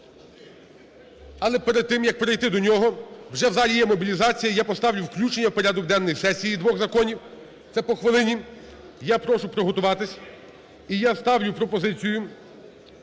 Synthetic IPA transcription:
ɐlˠɛpeɾed̪̚t̪ɪmjɐk̚peɾɪjt̪ɪd̪ɔnʲɔɦɔwʒɛwzɑlʲijɛmɔbʲilʲizɑt͡sʲijɐjapɔst̪ɑwlʲʊwklʲut͡ʃenʲːɐwpɔɾʲad̪ɔɡd̪ɛnːɔjsɛsʲijid̪ʋɔɣzɐkɔnʲiw | t̪sɛpɔxʋɪlˠɪnʲi | japɾɔʃʊpɾɔɦɔt̪ʊʋɑt̪ɪsʲ | ijast̪ɑwlʲʊpɾɔpɔzɪt͡sʲijʊ

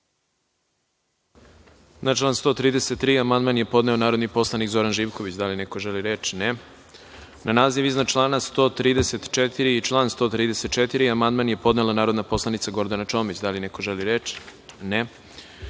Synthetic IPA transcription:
nat͡ʃlˠaːnst̪o̞ːt̪ɾiːd̪ese̞t̪ːɾiːamand̪manje̞po̞d̪ne̞o̞naːɾo̞d̪nipo̞slˠanikzo̞ɾanʒiːʋko̞ʋit͡ɕd̪alineko̞ʒeliɾeːt͡ʃne | nʔanaːziʋiznat͡ʃlˠaːnast̪o̞ːt̪ɾiːd̪eset̪t͡ʃet̪iɾiit͡ʃlˠaːnst̪o̞ːt̪ɾiːd̪eset̪̚t͡ʃet̪iɾiamand̪manje̞po̞d̪nelanaːɾo̞d̪napo̞slˠanit̪saɡo̞ɾd̪anat͡ʃo̞ːmit͡ɕd̪alinekoʒeliɾeːt͡ʃne

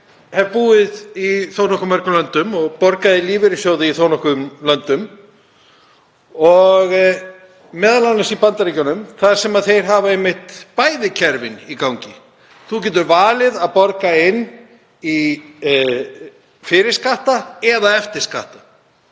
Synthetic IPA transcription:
hɛvpuːɪðiθoːwnɔhkʏmɛɾrkʏlœnt̪ʏmɔɣpɔɾkaðɪliːvɪɾɪsjowðɪiθownɔhkʏmlœnt̪ʏm | ɔɣ | mɛːðalanɛsipant̪aɾicanʏmθaðɾ̥sɛmaðθejɾ̥ɦaːvaejmːɪht̪paːjðɪcʰɛɾvɪnikawɲcɪ | θuc̬ɛːt̪̬ʏɾvaːlɪðaðpɔɾkaɪnː | i | fɪːɾɪɾ̥skaht̪aɛðaɛft̪ɪɾ̥ska̰ht̪a

